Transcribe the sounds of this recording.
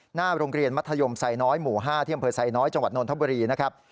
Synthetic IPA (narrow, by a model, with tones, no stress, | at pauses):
naː˥˩ɾoː˧ŋɾi˧ənma˦˥t̪ʰːa˧jo˧msa˨˧˩jnɔː˦˥jmuː˨˩ɦaː˥˩t̪ʰiː˥˩˨a˧mpʰɤː˧sa˧jnɔː˦˥jt͡ɕa˧ŋwa˨˩t̪̚noː˧nt̪ʰa˥˩buː˧ɾiː˧na˦˥kʰɾa˦˥p̚